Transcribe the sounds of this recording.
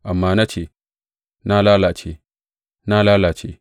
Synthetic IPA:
ʔa˨mːaː˦na˦t͡ʃe˦˨ | na˦laː˦la˨t͡ʃḛ˦˨ | na˦laː˦la˨t͡ʃe˦˨

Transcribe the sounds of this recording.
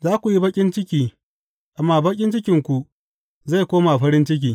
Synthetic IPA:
zaː˦kʷu˨ji˦bɐ˦kʲʼɪ˦nt͡ʃɪ˦kʲiː˨ | ʔa˨mːaː˨bɐ˦kʲʼɪ˦nt͡ʃɪ˦kʲɪ˨ŋkʷu˨ | za˦˨kʷoː˦ma˨ɸɐ˦ɾɪ˦nt͡ʃɪ˦k̬ʲiː˨

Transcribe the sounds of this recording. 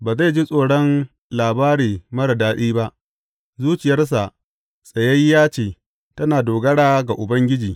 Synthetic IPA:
baː˨za˦˨d͡ʒi˦sʼoː˨ɽɔ˦n | laː˨baː˦ɽiː˨mɐ˦ɽɐ˨daː˦ɗiː˦ba˦ʔ | zuː˦t͡ʃɪ˨jɐ˦rs̬a˨ʔ | sʼɐ˨jɐ˦jːaː˦t͡ʃeː˨ | tɐ˦naː˨doː˨ɡɐ˦ɽaː˦ɡa˨ʔʊ˨bɐ˦ŋɡʲɪ˦d͡ʒiː˨

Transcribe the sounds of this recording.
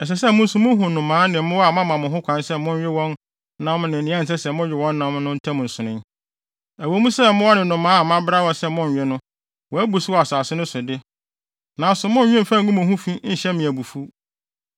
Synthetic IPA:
ɛ˨s̬ɛ˨s̬ɛ˦˨mʊ̃˦n̩˦sũ˨mʊ̃˦ɦʊ̃˨nʊ̃˨mãː˨˦nɪ̃˨˦mʊ̃˦wɔ˦a˨mã˦mã˨mʊ̃˨ɦʊ̃˦kʷʰã˨˦nsɛ˦mʊ̃˦n˦ɥᶣɪ˦wɔ̃˦nː | ã˦mnɪ̃˨nɪ̃˨˦ã˦n̩˨s̬ɛ˦sɛ˨mʊ̃˦ɥᶣɪ˨wɔ̃˦nː˦ã˦mnʊ̃˦n̩˦tʰã˦m̃˨n̩˨sʊ̃˨nʊ̃˦n | æ˨wo˨˦mũ˦sɛ˦mʊ̃˦wɔ˦nɪ̃˨nʊ̃˨mãː˨˦a˨mã˦bɾa˦wɔ˨sɛ˦mʊ̃˦n˨ɥɛ˦nʊ̃˦ | wɔ˨æ˦bu˨sɪ˦wɔ˦˨a˨sʊ˨a˨sɪ˦nʊ̃˦sʊ˨dɪ˦ | nã˨sʊ˨mʊ̃˦n˦ɲᶣɪ̃˦m˨fã˦ŋ˨ɡʊ̃˦mʊ̃˨hʊ̃˦fĩ˦n̩˦ɕɛ˦mɪ̃˨æ˨bu˨fu˦

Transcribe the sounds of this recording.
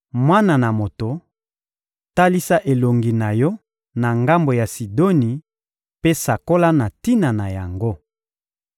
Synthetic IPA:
mwa˦na˨na˨mo˨to˨ | ta˦li˦sa˦ʔe˨lo˨ŋɡi˨na˨jɔ˦ | na˨ŋɡa˦mbo˨ja˨si˨do˦ni˨ | pe˦sa˨ko˦la˦na˨ti˦na˨na˨ja˨ŋɡo˦

